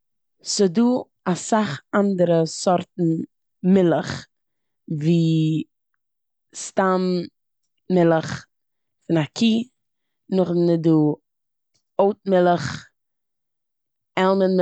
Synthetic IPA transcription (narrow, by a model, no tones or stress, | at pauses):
sɪduː | asaχandəɾəsɔɾtn̩ | mɪlˠəχ | viː | stam | mɪlˠəχ | fɪnakʰiː | nʊχnəduː | oʊtmɪlˠəχ | ɛlˠmənm